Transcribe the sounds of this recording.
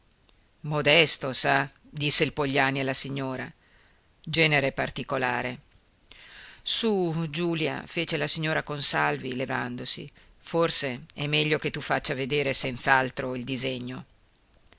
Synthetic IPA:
mod̪ɛst̪osa | d̪isːeilpoʎːaːnialːasiɲːoːɾa | d͡ʒɛːneɾepart̪ikolaːɾe | sud͡ʒuːlja̰feːt͡ʃelasiɲːoːɾakonsalvileva̰nd̪osḭ | forseɛmːɛʎːok̟et̪ːufːat͡ʃːaved̪eːɾesɛnt̪saalt̪ɾoild̪izeɲːo

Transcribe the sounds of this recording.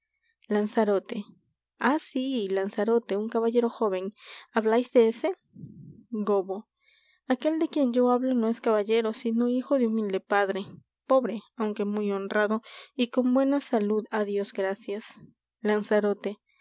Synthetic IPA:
lansaɾot̪e̞ | asilansaɾo̞t̪euŋkaβaʝe̞ɾo̞xo̞βe̞naβlajzd̪eese̞ | ɡoβo | ake̞ld̪e̞kje̞nd͡ʒo̞aβlo̞no̞e̞skaβaʝe̞ɾosino̞ixo̞ðeumild̪e̞paðɾe̞ | po̞βɾe̞awŋke̞mujo̞nrraðo̞iko̞mbwe̞nasaluðaðjo̞zɡɾasjas | lansaɾo̞t̪e̞

